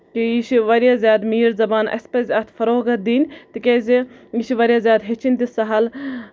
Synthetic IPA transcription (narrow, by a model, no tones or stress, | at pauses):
kijiʃiʋɐɾʲjaːzʲjaːd̪miːɾzɐbaːnʔɐ̰spɐzʲɐt̪ʰfɐɾoːɡɐt̪̚d̪iːnʲt̪ikʲeːziiʃiʋɐɾʲjaːzʲjaːd̪ɦet͡ʃʰinʲt̪isɐɦɐl